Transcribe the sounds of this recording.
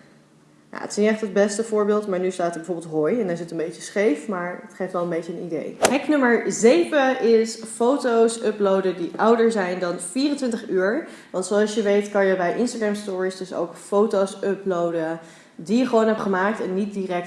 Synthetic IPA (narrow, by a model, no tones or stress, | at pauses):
ja̰ːə̰tɪ̥snijəɛχtəd̚bɛstəfʊːɹbɪːlˠtmaːɹnystaːtəɹbəvʊːɹbɪlˠtɦojɛndɛnɪsɪtə̃nbejt͡ʃəsχejfmaːɹətχejftʋɛlˠənbejcəənḭdḛjɦɛknɵməɹzejvəɪsfowtowsɵplowdədiʔʌwdəɹzɛjndɑnfiːrəntʋɪntəχyːɹ | ʋɑntsoɑlˠsjəʋejtkɑnjəbɛjʔɪnstaːɡɹamstʊːɹisdɵso̰wkfowtosɵplowdə | dijəχəʋownɦɛpχəmaːk̚tɛnːit̚dirɛk̚t